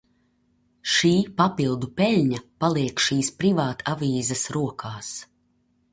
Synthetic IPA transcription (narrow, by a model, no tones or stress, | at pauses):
ʃiːpapilˠd̪upɛlʲɲapalˠiɛkʃiːspɾivaːt̪aviːzɐsɾuɔkʰaːs